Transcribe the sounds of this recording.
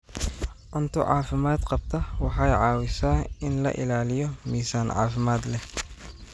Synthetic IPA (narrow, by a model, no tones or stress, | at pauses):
ʕʊnt̪ʰʊʕɑ̰ːfɪmaːd̪qɑb̚t̪ʰɐwɑħɑjʕɑːwɪsaːɪnlɐ̰ʔɪ̰laːlɪjɔmiːsaːnʕɑ̰ːfɪmaːd̪lɛh